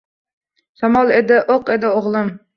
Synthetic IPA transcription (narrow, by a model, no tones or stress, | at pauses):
samɒlˠed̪ɪʔoqed̪ɪoʁlˠɪm